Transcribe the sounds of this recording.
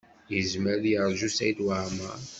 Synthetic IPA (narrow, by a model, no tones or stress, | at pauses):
jəzməɾðjəɾˤʒusæjt̪waʕma